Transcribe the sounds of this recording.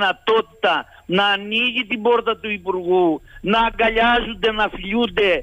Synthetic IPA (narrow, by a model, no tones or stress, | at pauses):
nɐt̪ot̪i̥t̪ɐ | nɐːniʝit̪iboɾt̪ɐt̪uipuɾɣunɐɡɐʎazund̪enɐfiʎund̪e